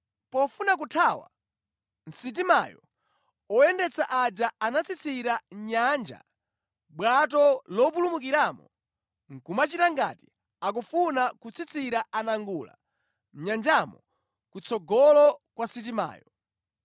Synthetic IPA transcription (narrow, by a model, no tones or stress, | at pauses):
pɔfunak̬utʰawa̰ | n̩sit̬ima̰jɔ | ɔɛndɛt͡saʔad͡ʒaanat͡sʰit͡sʰiɾaɲand͡ʒa̰ | ɓwat̬ɔlɔp̬ulumuk̬iɾamɔ | ŋ̩kumat͡ʃitaŋɡa̰ti | ak̬ufunakut͡sʰit͡sʰiɾaʔanaŋɡula̰ | m̩ɲand͡ʒamɔ | kut͡sʰɔɡɔlɔkwasit̬ima̰ːjɔ